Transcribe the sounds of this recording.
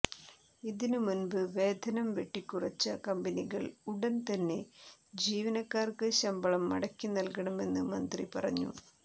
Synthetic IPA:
iðinɨmunbɨʋe̞ːd̪ʱɐnɐmʋe̞ʈːikːurɐt͡ɕːɐkɐmbɐniɣɐɭuɽɐnt̪ɐnːe̞d͡ʑiːʋɐnɐkːaːrkɨɕɐmbɐɭɐmːɐ̰ɽɐkʲːinɐlkɐɳɐme̞nːɨmɐnd̪ripɐrɐ̰ɲːṵ

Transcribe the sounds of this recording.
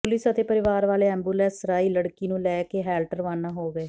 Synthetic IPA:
pʊlɪsət̪eːpəɾɪʋaːɾʋaːleːɛ̃ːmbuːlɛːsɾaːiːləɽkiːnũːlɛːkeɦɛːlʈəɾʋaːnːaːɦoːɡɛː

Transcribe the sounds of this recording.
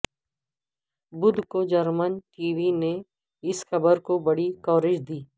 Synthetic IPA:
bʊd̪ʱkod͡ʒɐɾmənʈiːʋine | ɪsxɐbəɾkobɐɽikɔːɾɪd͡ʒd̪iː

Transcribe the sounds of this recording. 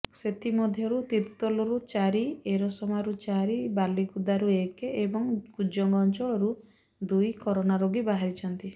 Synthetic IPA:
set̪ʰimɔd̪ʱjɔɾut̪iɾt̪ɔlɔɾut͡ʃaɾieɾɔsɔmaɾut͡ʃaɾibaliɡud̪aɾuekebɔŋkud͡ʒɔŋɡɔnt͡ʃɔɭɔɾu | d̪ujkɔɾɔnaɾoɡibaɦaɾit͡ʃʰɔnt̪i

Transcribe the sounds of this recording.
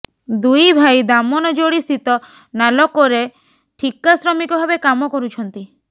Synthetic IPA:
d̪ujbʱajd̪amɔnɔd͡ʒoɽist̪ʰit̪ɔ | nalɔkɔɾe | ʈʰikasɾɔmikɔbʱabekamɔkɔɾut͡ʃʰɔnt̪i

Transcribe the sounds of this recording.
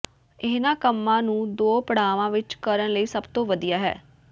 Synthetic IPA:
ɪːnãːkəmːãːnũːd̪oːpəɽ̤aːʋãːʋɪt͡ʃkəɾənləiːsəbt̪õːʋəd̪ijaːɦɛ̰ː

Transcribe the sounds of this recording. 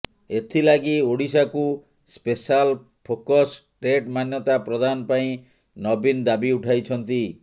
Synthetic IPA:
et̪ʰilaɡioɽisaku | spesal | pʰokɔsʈɾeʈmanjɔt̪apɾɔd̪anɔpaĩ | nɔbind̪abiuʈʰajt͡ʃʰɔnt̪i

